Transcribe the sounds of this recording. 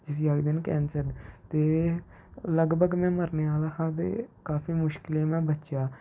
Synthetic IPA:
d͡ʒɪsjəɡd̪ɪnkɛːnsəɾt̪eː | ləɡbʱəɡmɛ̃ːməɾneːaːlaːɦãːt̪ḛːkaːfiːmʊʃkɪleːmɛ̃ːbətːʃaː

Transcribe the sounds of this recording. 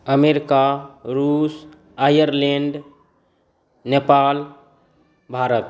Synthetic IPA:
əmeɾɪkaɾus | ajəɾlẽɳɖ | nepal | bʱaːɾət̪

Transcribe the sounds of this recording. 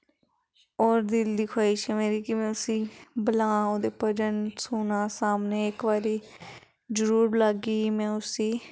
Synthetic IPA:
ɔːɾd̪ɪld̪iːkʰaːɪʃəmeːɾiːkimɛ̃ːʊsĩːbəlaːoːd̪eːpəd͡ʒəɳsuːnaːsaːmneːɪkʋaːɾiː | d͡ʒəɾuːɾlaɡiːmɛ̃ːʊsiː

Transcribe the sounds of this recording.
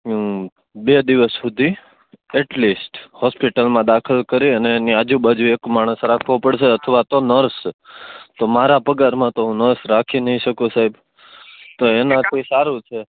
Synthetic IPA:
bed̪iʋəsːud̪ʱi | ɛʈlisʈhɔspiʈəlmãd̪akʰəlkəɾiəneniad͡ʒũbad͡ʒuekmaɽ̃əsɾakʰʋõpəɽʃeət̪ʰəʋat̪onəɾs | t̪omaɾapəɡaɾmãt̪oɦũnəɾsɾakʰinəɦĩʃəkũsaib | t̪oenãt̪ʰisaɾũt͡ʃʰe

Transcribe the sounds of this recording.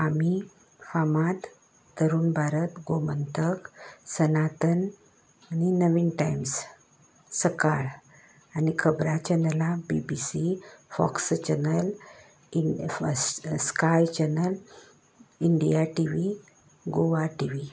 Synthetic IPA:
ami | famat̪ː | əɾuːnbʱaɾət̪ɡomənt̪əksənat̪ən | aninəʋiːnʈajms | səkaɭ | anikʰəbɾat͡ɕənəlabibisifɔ̰kst͡ɕənəl | skajt͡ɕɛnəl | iɳɖḭjaʈiʋi | ɡoʋaʈiʋi

